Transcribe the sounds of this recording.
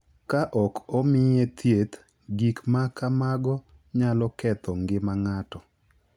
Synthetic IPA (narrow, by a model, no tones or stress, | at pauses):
kaʔɔkɔmɪjet̪ʰjet̪ | ɡikmakamaɡɔ | ɲalɔkɛt̪ʰɔŋɡɪmaŋatɔ